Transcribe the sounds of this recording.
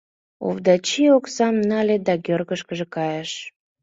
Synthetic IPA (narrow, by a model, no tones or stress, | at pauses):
o̰vd̪ɑt͡ɕioksɑmnɑlʲed̪ɑkørɣəʃkəʒekɑjeʃ